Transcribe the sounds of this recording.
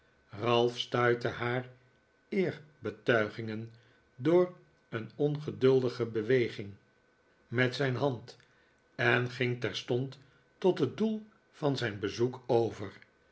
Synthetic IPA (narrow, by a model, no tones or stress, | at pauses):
rɑlˠfstœɥtəɦaːr | ɪːɹbətœɥχɪŋən | doːɹ | ənɔnχədɵlˠdəχəbəʋejχɪŋ | mɛtsɛjnɦɑnt | ɛnχɪŋtɛɹstɔntː | ɔtɦət̚dulˠ | fɑnzɛjnbəzukowvəɹ